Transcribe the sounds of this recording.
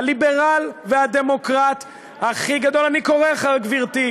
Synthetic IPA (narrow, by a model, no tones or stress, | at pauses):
libeʁalvead̪emo̞kʁat̪ | haχiɡad̪o̞laniko̞ʁeχaʁɡviʁt̪i